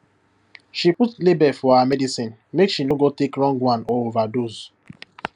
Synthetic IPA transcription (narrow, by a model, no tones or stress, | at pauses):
ʃiputlebɛfɔamɛdisĩn | mekʃinoɡotekɹɔ̃ŋɡwãnovadoz